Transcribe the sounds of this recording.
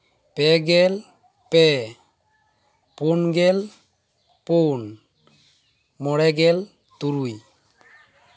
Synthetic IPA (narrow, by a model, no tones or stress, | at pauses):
pɛɡɛl | pɛ | ponɡɛl | pon | mɔɽɛɡɛl | t̪uɾuj